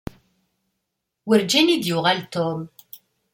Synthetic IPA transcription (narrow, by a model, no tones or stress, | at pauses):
wəɾd͡ʒænid̪jʊʁalt̪om